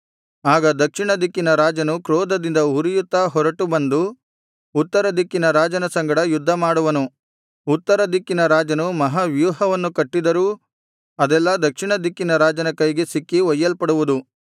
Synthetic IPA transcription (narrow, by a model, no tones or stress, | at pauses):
aːɡɐd̪ɐkʂiɳɐd̪ikːinɐɾaːd͡ʒɐnukɾɔːd̪ɐd̪ind̪ɐuɾijut̪ːɐɦɔɾɐʈubɐnd̪u | ut̪ːɐɾɐd̪ikːinɐɾaːd͡ʒɐnɐsɐŋɡɐɽɐjud̪ʱːɐmaːɽuʋɐnu | ut̪ːɐɾɐd̪ikːinɐɾaːd͡ʒɐnumɐɦɐʋjuːɦɐʋɐnːukɐʈːid̪ɐɾuː | ɐd̪ɛlːɐd̪ɐkʂiɳɐd̪ikːinɐɾaːd͡ʒɐnɐkɐjɡesikːiʋɐjːɐlpɐɽuʋud̪u